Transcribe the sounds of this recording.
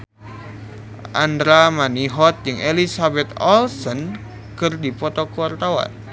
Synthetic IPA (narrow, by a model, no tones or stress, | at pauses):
ʔandɾamaniɦɔt̪̚jɨŋelisabɛt̪ɔlsən | kɨrdipɔt̪ɔkuart̪awa̰n